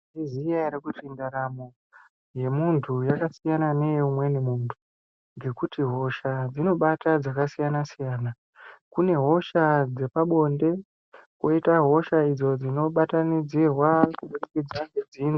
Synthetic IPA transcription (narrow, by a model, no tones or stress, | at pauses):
izijaiɾikutindaɾamo̞ | je̞muntʰujakasijanane̞jumwe̞nimuːntʰu̥ | ŋɡe̞kutiɦo̞ʃad͡zino̞ɓatad͡zakasijanasijaːna | kune̞ɦo̞ʃad͡ze̞paɓo̞nde̞ | kwo̞itaɦo̞ʃaid͡zo̞d͡zino̞ɓatanid͡zirwakuɓurekid͡zaŋɡed͡ziːni